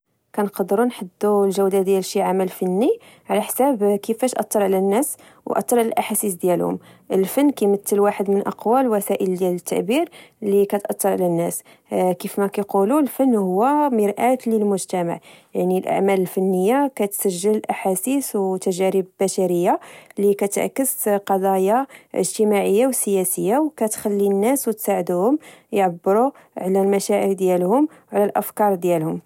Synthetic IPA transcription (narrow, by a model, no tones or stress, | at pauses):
kænqɑd̪ɾunħəd̪ːulʒæwd̪ad̪jælʃiʕamælfænːi | ʕlæħsæbkəfæʃʔɑ̰t̪ˤːɑɾˤʕlænːæs | wʔɑ̰t̪ˤːɑɾʕlæ̰lʔaħasis̬d̪jælhʊ̰m | ʔəlfənːkæmət̪ːəlwaħəd̪mənʔɑ̰qwælwæsæʔəld̪jælət̪ːa̰ʕbiɾlikæt̪ʔɑt̪ˤːɑɾˤʕlænːæs | kifmækæjqululfənːhʊwːæməɾʔæt̪ləlmʊʒt̪æma̰ʕjaʕnilʔa̰ʕmæləlfænːəjːakæt̪sæʒːəllʔaħasiswt̪æʒæɾəbbæʃæɾəjːalikæt̪ʕ̰kːəzqɑd̪ˤɑjɑə̰ʒt̪əmaʕəjːawsəjæsəjːawkæt̪xælːinːæswt̪saʕəd̪uhʊmjʕabːəɾu | ʕlælmæʃæʕəɾd̪jælhʊm | wʕlælʔəfkɑɾˤd̪jælhʊm